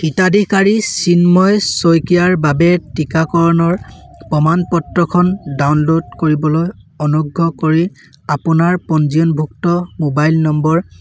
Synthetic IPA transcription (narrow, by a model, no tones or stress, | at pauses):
kitadʱikaɹisinmɔjsojkijaɹbabɛtikakɔɹɔnɔɹpɔmanpɔtɹɔkʰɔndawnlodkoɹibɔlojɔnuɡʱːɔkoɹi | apʊnaɹpɔnziɔnbʱuktɔmobajlnɔmbɔɹ